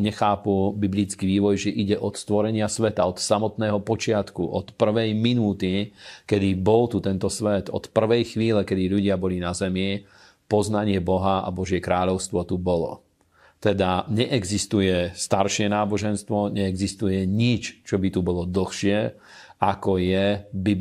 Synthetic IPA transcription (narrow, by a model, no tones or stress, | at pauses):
ɲɛxaːpubiblit͡skiʋiːʋɔjʒɛʔiɟɛʔɔt̪st̪ʋɔɾɛɲɪasʋɛt̪aɔt̪samɔt̪nɛːɦɔpɔt͡ʃɪat̪kuʔɔt̪pr̩ʋɛjminuːt̪ikɛd̪ibɔlt̪ut̪ɛnt̪ɔsʋɛt̪ɔ̰t̪pr̩ʋɛjxʋiːlɛkɛd̪iʎuɟɪabɔlinazɛmi | pɔznaɲɪɛbɔɦaa̰bɔʒɪɛkɾaːʎɔʊst̪ʋɔt̪ubɔlɔ̰ | t̪ɛd̪aɲɛʔɛɡzist̪ujɛst̪aɾʃɪɛnaːbɔʒɛnst̪ʋɔɲɛɛɡzist̪ujɛɲit͡ʃt͡ʃɔbit̪ubɔlɔd̪l̩ˠxʃɪɛ | akɔjɛbi